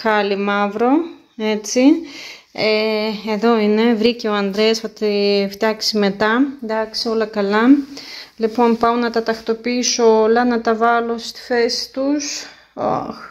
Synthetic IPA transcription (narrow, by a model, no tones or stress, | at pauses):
xɐlimɐvɾo̞ | e̞t͡si | eeðo̞ine̞vɾice̞oɐnd̪ɾesfɐt̪ift̪jɐksime̞t̪ɐnd̪ɐksio̞lɐkɐlɐ | lipo̞npɐonɐt̪ɐt̪ɐxt̪o̞piisoolɐnɐt̪ɐvɐlo̞st̪i̥fe̞si̥t̪us | o̰